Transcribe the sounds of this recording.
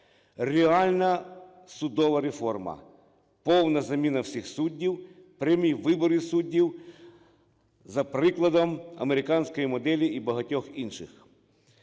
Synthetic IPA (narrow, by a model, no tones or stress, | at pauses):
rʲeɑlʲnɐ | sʊd̪ɔʋɐɾefɔrmɐ̰ | pɔwnɐzɐmʲinɐwsʲixsudʲːiw | pɾʲɐmʲijʋɪbɔɾɪsudʲːiw | zɐpɾɪklˠɐd̪ɔmɐ̰meɾɪkɑnʲsʲkɔjimɔd̪ɛlʲiibɐɦɐtʲɔxinʃɪx